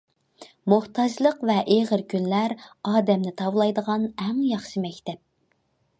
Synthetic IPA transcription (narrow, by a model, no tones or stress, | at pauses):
moht̪ɑd͡ʒlˠəqvɛʔeʁəɾkʲynlæɾɑːd̪ɛmnɪt̪ʰɑvlˠɑjd̪əʁɑnɛŋjɑχʃɨmɛkʲt̪ɛp̚